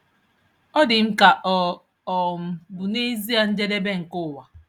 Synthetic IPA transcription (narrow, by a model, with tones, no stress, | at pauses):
ɔ˦dɪ˨m̩˦ka˨ʔɔ˨ | ɔ˨m̩˨bʊ˨ne˦zi˦a˨n̩˦d͡ʒe˦de˦be˦ŋ̩˨kʊ˦˨wa˨